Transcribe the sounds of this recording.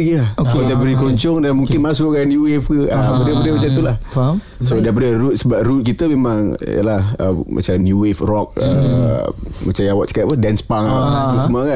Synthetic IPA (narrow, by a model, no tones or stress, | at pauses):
ɡiaokɔdabəɾikəlɔɲt͡ʃɔŋdanmuŋkkɪnmas̬ʊkkanjuwefkəabədəpadəmat͡ʃant̪̬ulah | sodapadəɾut̪̚səbap̚rut̪̚kit̪əmemaŋj̰ə̰lahə̰ma̰t͡ʃamnjuwefrɔk̚ə̰ | mat͡ʃajawat͡ʃə̥kat̪̚pədɛnspaŋaat̪usumuaka